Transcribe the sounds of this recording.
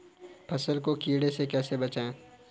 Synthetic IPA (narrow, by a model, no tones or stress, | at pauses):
pʰɐsəlkokiːɽesekɛːsebɐt͡ʃaːẽː